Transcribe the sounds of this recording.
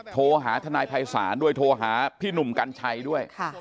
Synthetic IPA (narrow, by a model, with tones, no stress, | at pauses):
t̪ʰoː˧ɦaː˩˦t̪ʰa˧naː˧jpʰa˧jsa̰ː˩˦ndu˥˩əjt̪ʰoː˧ɦaː˩˦pʰiː˥˩nu˨˩mka˧nt͡ɕʰa˧jdu˥˩əjkʰa˥˩